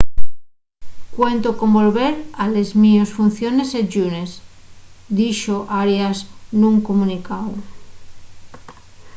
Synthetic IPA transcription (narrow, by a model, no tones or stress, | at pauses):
kwe̞nt̪oko̞mbo̞lβe̞ɾalezmiosfunθjo̞ne̞sed͡ʒunes | d̪iʃoʔaɾjasnũŋkomũnikaw